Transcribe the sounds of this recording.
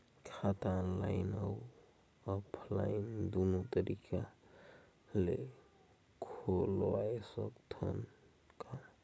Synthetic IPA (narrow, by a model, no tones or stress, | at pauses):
kʰat̪anlainau | ɔpʰla̰ind̪onot̪əɾika | le | kʰolɔajsɔkt̪ʰɔn | ka